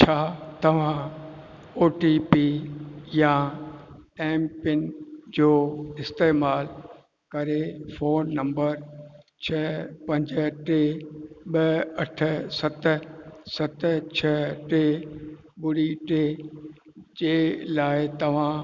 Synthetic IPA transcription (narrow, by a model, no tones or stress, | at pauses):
t͡ɕʰaːt̪ɐʋ̤ã | oːʈipijã | ɛ̃ːmpɪnd͡ʑoːɪst̪eːmaːl | kɐɾefoːnːɐ̃mbəɾt͡ɕʰɐpɐ̃ɲd͡ʑʈeːɓəɐʈʰə̆sɐt̪̆sɐt̪t͡ɕʰəʈe | ɓʊɽiʈeː | d͡ʑeːlaːɪt̪ɐʋ̤ã